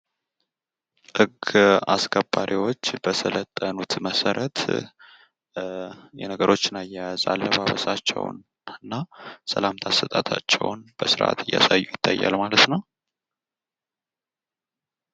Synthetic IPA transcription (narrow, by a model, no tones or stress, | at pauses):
ʔɨɡaskʰəbːaɾʔiwo̞t͡ʃːb̥əsʰələt̪ʼːənut̪məsəɾʔət̪ | jɛnəɡəɾʔo̞t͡ʃːɪnajːajaza̰lːəβaβəsat͡ʃːɛ̰wn | ɨnːasəlamt̪ʰasɨt̪ʼat̪ʰat͡ʃːɛ̰wnb̥əsɨɾʔa̰t̪ʰɨjːasajːujɪt̪ʰːajːalmalət̪nəw